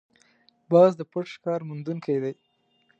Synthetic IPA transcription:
bɑzd̪əpəʈʃkɑɾmʊnd̪unkʰajd̪aj

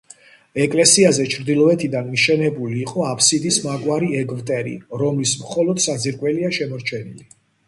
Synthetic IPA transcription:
ɛkʼlɛsiazɛt͡ʃʰɾd̪ilˠɔɛt̪ʰid̪anmiʃɛnɛbuliːqʼɔapʰsid̪ismaɡwaɾiɛɡvt̪ʼɛɾḭɾɔmlismχɔlˠɔd̪sad̪ziɾkʼwɛliaʃɛmɔɾt͡ʃʰɛnili

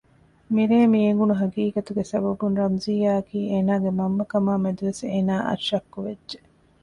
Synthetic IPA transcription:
miɾeːmieŋɡunuɦɐɡiːkɐt̪uɡesɐbɐbunɾɐmziːaːɐkiːeːnaːɡemɐmːɐkɐmaːmed̪uʋeseːnaːʔɐ̰ʃɐkːuʋedːʒe

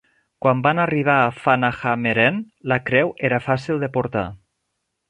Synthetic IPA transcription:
kwambanariβ̞aːfanaxameɾɛn | lakɾɛweɾafasilˠd̪epoɾt̪a̰

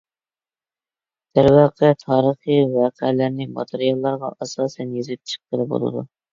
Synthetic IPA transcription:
d̪̥æɾwɑːqʰɛt̪ʰɑːɾəχiwɑːqʰɛlæɾnɪmɑ̰t̪ʰeɾijɑlˠːɑɾʁɑʔɑsɑːsɛnjezɪt̪ʰʃʰi̥p̚qəlˠɨbo̰lˠɨ̰d̪ṵ

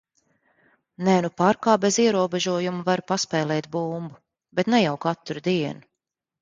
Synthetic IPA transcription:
nɛnupaɾkaːbeziɛɾuɔbɛʒuɔjumuvaɾpaspɛːlˠɛːt̪̚buːmbu | bet̪nɛjawkat̪ɾud̪iɛnu

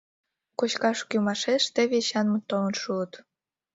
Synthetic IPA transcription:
kot͡ɕkɑʃkymɑʃeʃt̪eβeɕɑnmə̆t̪olə̆nʃuət̪

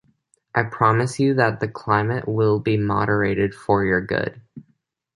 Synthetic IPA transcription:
ʔaɪpʰɹ̥ɑmɨsjɨðət̪̚ðɨkʰl̥ãɪ̃mɨʔwɪlˠbimɑ̰ɾə˞eɪɾɪd̥fə˞jə˞ɡʊ̰d̥

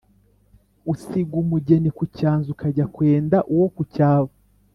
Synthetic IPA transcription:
usiɡumuɟenikucaːnzukaɟakweːndaʔuwokucaːβo

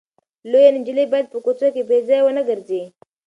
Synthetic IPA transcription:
lojanɪnd͡ʒilibajad̪̚pəkot͡sokebezajwənəɡəɾze

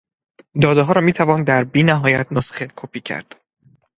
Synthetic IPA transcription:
d̪ɒːd̪eɦɒːɾɒːmiːt̪ʰævɒːnd̪æɾbiːnæɦɒːjæt̪ʰnosχekʰopʰiːcʰæ̰ɾd̪̥

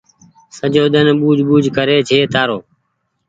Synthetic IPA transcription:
səd͡ʒoːɗ̪ənɓuːd͡ʒɓuːd͡ʒʱkəɾeːt͡ʃʰeːt̪aːɾoː

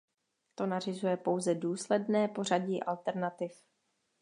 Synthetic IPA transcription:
t̪o̞narɪzujɛpo̞wzɛduːslɛdnɛːpo̞r̝aɟiːʔalt̪ɛɾnat̪ɪf

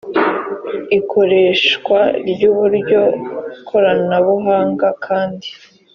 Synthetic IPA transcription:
ikʰo̞ɾe̞ːʃkwaɾɟuːβuɾɟo̞ikʰo̞ɾanaβuɦaːŋɡakʰaːndi

